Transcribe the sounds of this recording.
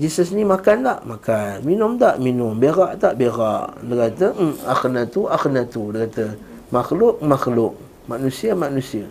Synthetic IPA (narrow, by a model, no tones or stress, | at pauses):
d͡ʒisəsnimakandaʔmakanminʊmt̪aʔminʊmbeɾaʔt̪aʔbeɾaʔdəkat̪əaxnat̪uʔaxənat̪udəɣat̪ə | maxlʊʔ̚maxlʊʔ̚ | maʔnusiamaʔnusia